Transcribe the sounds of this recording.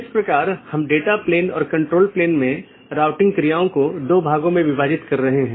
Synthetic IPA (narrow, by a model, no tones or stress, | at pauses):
ɪspɾɐkaːɾhɐmɖeːʈapleːnɔ̰ːɾkɐ̃ɳʈɾoːlpleːnmẽ | ɾaːʋʈɪ̃ŋɡkɾijaːõkod̪oːbʱaːɡõmẽʋɪʋaːd͡ʒɪt̪kɐɾːɐɦeɦɛ̃ː